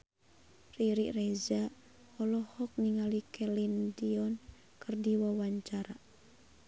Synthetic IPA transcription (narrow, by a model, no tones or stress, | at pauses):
riɾiʔrɛza | ɔlɔhɔk̚niŋalikɛlindiɔn | kɨrdiwawaɲt͡ʃaɾa